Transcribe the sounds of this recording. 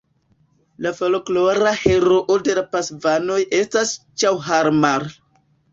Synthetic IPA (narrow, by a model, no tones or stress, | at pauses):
lafolokloɾaheɾoʔode̞lapasvano̞jʔe̞stast͡ʃawɦaɾmaɾ